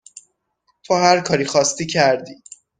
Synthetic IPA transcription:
t̪ʰohæɾkʰɒːɾiːxɒːst̪iːcʰæɾd̪i

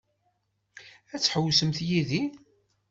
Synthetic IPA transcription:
æt͡sːħəwsəmθjiði

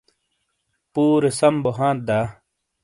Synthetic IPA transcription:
puːɾesɐmboɦãːt̪̚d̪aː

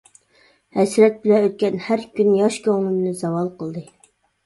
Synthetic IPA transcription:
hɛsɾɛt̪̚bɪlɛøt̪̚kʲɛnhæɾkʲynjɑʃkʲʰøʁmɪmnɪzɑwɑlˠqəlˠd̪ɨ

